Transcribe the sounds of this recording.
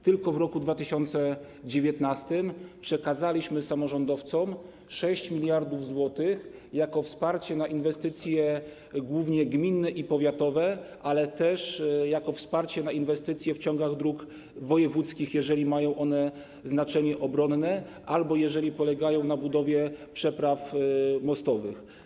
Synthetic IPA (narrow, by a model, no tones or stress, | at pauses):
t̪ɘlkɔvɾɔkud̪vat̪ɘɕɔnt̪sɛ | d͡ʑevʲjɛt̪nast̪ɘmpʂɛkazalʲiɕmɘsamɔʐɔnd̪ɔft̪sɔm | ʂɛɕt͡ɕmʲilʲjaɾd̪uvzwɔt̪ɘx | jakɔfspaɾt͡ɕɛnaʔinvɛst̪ɘt̪sʲjɛ | ɡwuvɲɛɡmʲinːɛʔipɔvʲjat̪ɔvɛʔalɛt̪ɛʂjakɔfspaɾt͡ɕɛnainvɛst̪ɘt̪sʲjɛft͡ɕɔ̃ŋɡaɣd̪ɾuk | vɔjɛvut̪skʲixjɛʐɛlʲimajɔ̃w̃ʔɔnɛ | znat͡ʂɛɲɛʔɔbɾɔnːɛʔalbɔjɛʐɛlʲipɔlɛɡajɔ̃w̃nabud̪ɔvʲjɛpʂɛpɾafmɔst̪ɔvɘ̰x